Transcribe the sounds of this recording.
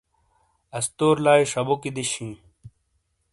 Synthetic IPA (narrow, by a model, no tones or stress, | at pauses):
ɐst̪oːɾlaːiʂɐbokid̪iɕĩː